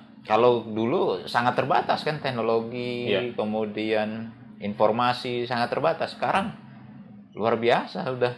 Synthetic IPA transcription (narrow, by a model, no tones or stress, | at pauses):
kalowdulusaŋat̪ːərbat̪askant̪ɛhnoloɡikəmudian | informasisaŋat̪ːərbat̪asːə̥kaɾaŋ | lṵarbiasaudah